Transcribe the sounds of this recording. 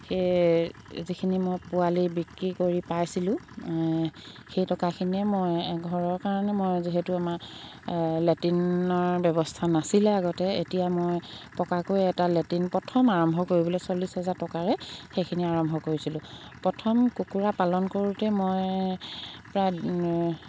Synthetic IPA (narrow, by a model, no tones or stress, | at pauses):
xe | zikʰinimojpualibikɹikoɹipajsilʊ̃ | xejtɔkakʰiniɛmojɛɡʱɔɹɔɹkaɹɔnɛmojziɦetuamaɹ | letinɔɹbjɔbɔstʰanasilɛaɡɔtɛetijamojpɔkakojɛtaletinpɹɔtʰɔmaɹɔmbʱɔkoɹibɔlɛsolisɦɛzatɔkaɹɛxejkʰiniaɹɔmbʱɔkoɹisilʊ̃ | pɹɔtʰɔmkukuɹapalɔnkoɹutɛmoj | pɹaj